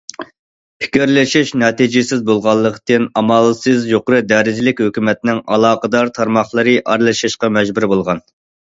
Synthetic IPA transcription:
pʰɪ̥kʲyɾlɪʃiʃnɑːt̪id͡ʒɪsɪzbolˠʁɑlˠːəqt̪ɨnɑmɑlˠsɨzjoqʊɾɨd̪ɛɾɪd͡ʒɪlɪkʲhøkʲymɛt̪nɪŋɑ̰lˠɑːqəd̪ɑɾt̪ʰɑɾmɑχlˠəɾɨʔɑɾlˠɨʃɨʃqɑmɛd͡ʒbuɾbolˠʁɑn

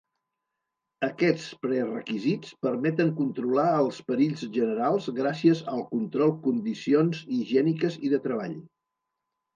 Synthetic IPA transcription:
əkɛt͡spɾɛrəkizit͡spəɾmɛt̪əŋkunt̪ɾulaəlˠspəɾiʎzʒənəɾalˠzɣɾasiəzəlˠkunt̪ɾɔlˠkund̪isionziʒɛnikəziðət̪ɾəβ̞a̰ʎ

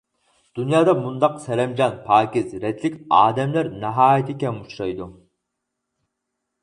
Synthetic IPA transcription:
d̪̥unjɑːd̪ɑmund̪ɑqsɛɾɛmd͡ʒɑnpʰɑːkʲɪzɾɛt̪lɪkʲɑ̰ːd̪ɛmlæɾnɛɦɑːjit̪ʰɪkʲɛmuʃɾɑjd̪u

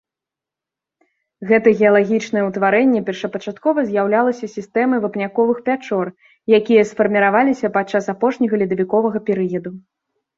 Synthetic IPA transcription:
ɣɛt̪ɐɣʲɛɐlˠaɣʲit͡ʂnɐjɛwt̪vaɾɛnʲːɛpʲɛrʂɐpɐt͡ʂat̪kɔvɐzʲjawlʲalˠɐsʲɐsʲist̪ɛmɐvɐpnʲakɔvɨxpʲat͡ʂɔr | jakʲijɐsfɐrmʲiɾavalʲisʲɐpat͡ʂːasapɔʂnʲɐɣɐlʲid̪ɐvʲikɔvɐɣɐpʲɛɾɨjɐd̪u

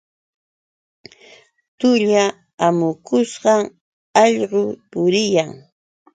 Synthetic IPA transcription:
t̪ʊʎa | amʊkʊsɢɑŋ | ɑʎɢʊpʊɾɪjaŋ

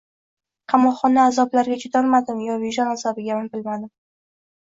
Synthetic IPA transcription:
qʰɑmɒqχɒnaːzɒblaɾɡʲat͡ʃʰʊd̪ɒnmad̪ɪmjɒviʒɒnazɒbɪɡʲamɪmbɪlmad̪ɪm

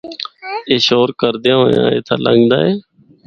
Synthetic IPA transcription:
eːʃoːɾkəɾd̪ejãːɦoːjã̰ːḛːt̪ʰaːləŋɡd̪aːeː

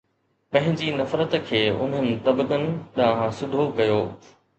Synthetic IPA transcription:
pɐ̃ɦɪ̃ɲd͡ʑinɐfɾət̪kʰeːʊ̰mɦɪmt̪ɐbkənɪ̆ɗaːɦãsʊd̪ʱokɐjoː

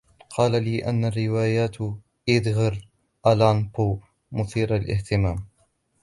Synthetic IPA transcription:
qʰɑːlaliːʔanːarːɪwaːjaːt̪ | ʔɪd̪ɣɑɾ | ʔalanpuː | mʊθiːɾalʔɪ̰ht̪ɪmaːm

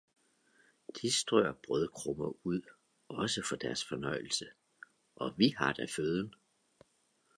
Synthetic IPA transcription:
d̥ʰisd̥ʁɔɐb̥ʁœðˠkʰʁɔmɐuð̰ˠ | ɒ̽səfɒ̽d̥æɐsfɒ̽nɒ̽ɪ̰l̩sə | ʔɒ̽ʋihɑ̈d̥æføð̞ˠən

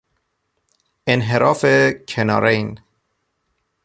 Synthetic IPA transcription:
enɦeɾɒːfecʰenɒːɾejn

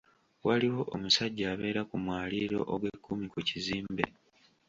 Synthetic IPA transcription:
waliwo̞ʔomusaɟːaːβe̞ːɾakumwaːliɾo̞ʔoɡwe̞kʰːumikuciziːmbe̞̰

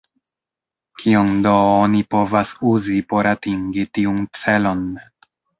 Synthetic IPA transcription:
kʰiondo̞onipo̞vasuzipo̞ɾatiŋɡitiunt͡se̞lo̞n

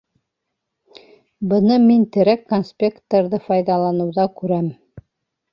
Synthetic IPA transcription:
bɤ̆nɤmint̪ɘ̆ɾækːonsʲpʲekt̪əɾðɤfɑjðɑlˠɑnɤ̆wðɑkʉɾæm

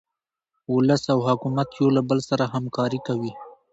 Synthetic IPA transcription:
ʊləsawhʊkumat̪jolabəlsaɾaɦamkɑɾikawi

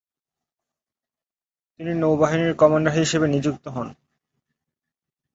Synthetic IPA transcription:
t̪ininowbaɦiniɾkɔmaɳɖaɦiʃebenid͡ʑuk̚t̪oɦɔn

